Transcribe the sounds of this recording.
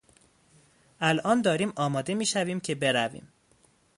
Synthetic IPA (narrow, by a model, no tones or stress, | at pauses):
ʔælʔɒːnd̪ɒːɾiːmʔɒːmɒːd̪e̞miːʃæviːmcʰe̞be̞ɾævḭːm